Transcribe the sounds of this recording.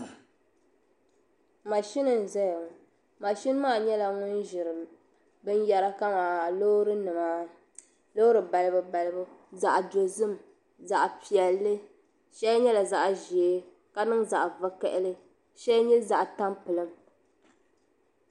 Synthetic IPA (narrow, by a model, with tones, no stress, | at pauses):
ma˨ʃi˦nɨ˨n̩˨zɛ˦jŋ˨ | ma˨ʃi˦n˦maː˦˨ɲɛ˦la˨ŋʊ˦n˦ʒɪ˨ɾɨ˨ | bɨ˦n˦jɛ˨ɾa˦ka˦maː˨lo˦ɾɨ˦nɨ˨maː˦ | lo˦ɾɨ˨ba˨lɨ˦bɨ˨ba˨lɨ˦bɨ˦za˨ʔdo˨zɨ˦m | za˨ʔpi˨ɛ˨lːɨ˦ | ʃɛ˦lɲɛ˦la˨za˦ʔʒiː˨˦ | ka˦nɨ˦ŋza˨ʔva˦kɛ˦ʔɪ˦lɨ˦ | ʃɛ˦lɲɛ˦za˨ʔta˦mpɨ˨lɨ˦m